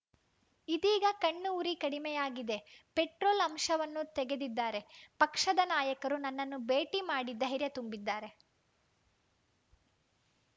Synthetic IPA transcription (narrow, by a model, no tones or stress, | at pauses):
id̪iːɡɐkɐɳːuuɾikɐɽimɛjaːɡid̪e̞peʈɾoːlɐmʂɐʋɐnːut̪ɛɡe̞d̪id̪ːaːɾe̞pɐkʂɐd̪ɐnaːjɐkɐɾunɐnːɐnːubeːʈimaːɽid̪ɐɦjɾjɐt̪umbid̪ːaːɾe̞